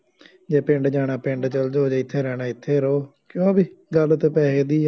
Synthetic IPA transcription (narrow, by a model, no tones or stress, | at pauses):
d͡ʒeːpɪ̃ɳɖd͡ʒaːɽaːpɪ̃ɳɖt͡ʃəld͡ʒoːd͡ʒeːɪt̪ʰːeːɾɛːɽaːɪt̪ʰːeːɾoːkjõːbiːɡəlt̪ːpɛːɦeːd̪iː